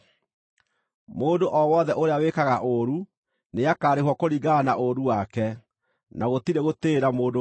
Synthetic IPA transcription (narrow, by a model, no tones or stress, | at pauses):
moːdoʔɔwɔðɛʔoɾeawekaɣaʔoɾu | neakaːɾeɦwɔkoɾiɣanaʔoɾuwakɛ | naɣotiɾeɣoteːɾamoːdo